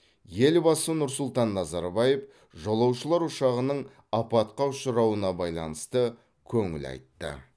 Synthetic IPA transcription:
je̞lbɑsənʊɾsʊlˠt̪ɑnːɑzɑɾbɑjef | ʒolˠɑwʃəlˠɑɾʊʃɑʁənəɴ | ɑpɑt̪̚qɑʊʃəɾɑwənɑbɑjlˠɑnəst̪ə | kʲʰɵŋɪ̰lɑ̰jt̪ːə̰

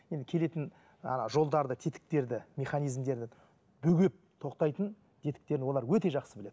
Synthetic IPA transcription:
je̞nd̪ɪkʲʰe̞le̞t̪ɪn | ɑ̰nɑʒo̞lˠd̪ɑɾd̪ət̪ʰet̪ɪ̥k̚t̪e̞ɾd̪ɪmʲe̞χɑnijzmd̪e̞ɾd̪ɪ | bʏɡʲe̞p̚t̪ʰo̞qt̪ɑjt̪ən | t̪ʰe̞t̪ɪ̥k̚t̪e̞ɾɪo̞lˠɑɾwɵt̪e̞ʒɑqsəbɪle̞d̪ɪ

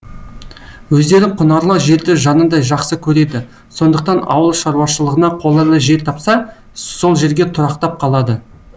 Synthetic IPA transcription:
wɵzd̪e̞ɾɪqʰʊnɑɾlˠɑwʒe̞ɾd̪ɪʒɑnənd̪ɑjʒɑqsəkʲʰɵɾe̞d̪ɪ | so̞nd̪əq̚t̪ɑnɑ̰wəlˠʃɑɾuwɑʃəlˠəʁənɑqʰo̞lˠɑɾlˠɑʒe̞ɾt̪ʰɑpsɑ | so̞lˠʒe̞ɾɡʲe̞t̪ʰʊɾɑqt̪ɑp̚qʰɑlˠɑd̪ə

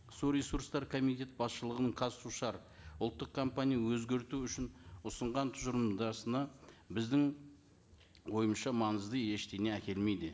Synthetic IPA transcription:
suɾe̞suɾst̪ɑɾkʰo̞mijt̪ʲe̞t̪̚bɑsʃəlˠəʁənəɴqʰɑzsuʃɑɾ | ʊlˠt̪ːəq̚kʰo̞mpanʲijawɵzɡʲe̞ɾt̪uʏʃɪnʊsəɴʁɑnt̪ʰʊʒəɾmd̪ɑsənɑbɪzd̪ɪŋ | wo̞jəmʃɑmɑnəzd̪əje̞ʃt̪e̞ne̞ækʲe̞lme̞jd̪ɪ

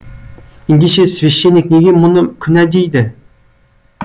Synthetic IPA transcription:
ind̪eʃesveʃːenʲːik̚ʲneɡʲimʊnɨkʲʰynɛd̪ejd̪ɪ

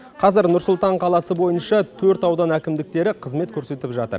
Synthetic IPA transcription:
qʰɑzɪɾnʊɾsʊlˠt̪ɑɴqʰɑlˠɑsəbo̞jənʃɑt̪ʰɵɾt̪ɑwd̪ɑnækʲɪmd̪ɪk̚t̪e̞ɾɪqʰəzme̞t̪̚kʲʰɵɾse̞t̪ɪpʒɑt̪ə̰ɾ

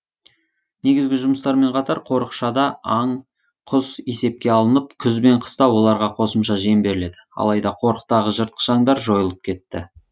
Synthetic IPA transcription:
ne̞ɡʲɪzɡʲɪʒʊməst̪ɑɾme̞ɴqʰɑt̪ɑɾqʰo̞ɾəqʃɑd̪ɑɑɴ | qʰʊse̞se̞p̚kʲe̞ɑlˠənəp̚kʲʰʏzbe̞ɴqʰə̥st̪ɑwo̞lˠɑɾʁɑqʰo̞səmʃɑʒiembe̞ɾɪle̞d̪ɪɑ̰lˠɑjd̪ɑqʰo̞ɾəq̚t̪ɑʁəʒəɾt̪̚qʰə̥ʒɑɴd̪ɑɾʒo̞jəlˠəp̚kʲʰe̞t̪ːɪ̰

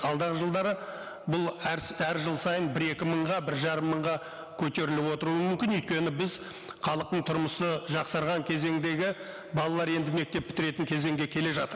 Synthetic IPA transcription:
ɑlˠd̪ɑʁəʒəlˠd̪ɑɾə | bʊlˠæɾʒəlˠsɑjənbɪɾe̞kʲɪməɴʁɑbɪɾʒɑɾəmːəɴʁɑ | kʲʰɵt̪e̞ɾɪlɪpwo̞t̪əɾuəmʏmkʲɪnyʏjt̪̚kʲe̞nɪbɪz | χɑlˠəq̚t̪əɴt̪ʰʊɾməsəʒɑqsɑɾʁɑŋkʲʰe̞ze̞ŋd̪e̞ɡʲɪ | bɑlˠɑlˠɑɾe̞nd̪ɪme̞k̚t̪e̞p̚ːʰɪ̥t̪ɪɾe̞t̪ɪŋkʲʰe̞ze̞ŋɡʲe̞kʲʰe̞le̞ʒɑt̪əɾ

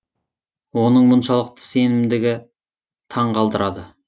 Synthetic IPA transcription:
wo̞nəɴmʊnʃɑlˠəq̚t̪ʰə̥se̞nɪmd̪ɪɡʲɪ | t̪ʰɑɴqʰɑlˠd̪əɾɑd̪ə

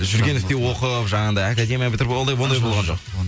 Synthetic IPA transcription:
ʒʏɾɡʲe̞nʏst̪ewo̞qəpʒɑɴɑnd̪ɑjakad̪ʲe̞mʲijabɪt̪ɪɾld̪ɑjwo̞nd̪ɑjbo̞lˠʁɑnʒo̞̰q

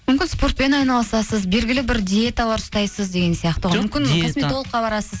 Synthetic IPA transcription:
mʏmkʲɪnspo̞rt̪̚pe̞nɑjnɑlˠəsɑsəzbe̞lɡʲɪlɪbɪɾd̪ʲie̞t̪alˠɑɾʊst̪ɑjsəzd̪e̞ɡʲe̞nsijɑqt̪əmɪmkʲɪnkʰosmet̪olˠəqːɑbɑɾɑsəz

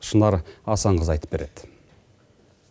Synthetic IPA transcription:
ʃənɑɾɑsɑɴʁəzɑjt̪əpbe̞ɾe̞d̪̥ɪ

